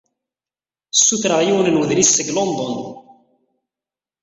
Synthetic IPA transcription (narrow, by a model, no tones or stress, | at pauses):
sːuθɾəʁjiwənənwəðɾisːəɡlond̪ˤɔn